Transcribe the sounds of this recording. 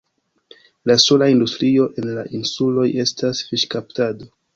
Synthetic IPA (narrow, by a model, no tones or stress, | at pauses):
lasolaindustɾio̞ʔe̞nlaʔinsulo̞je̞stasfiʃkaptado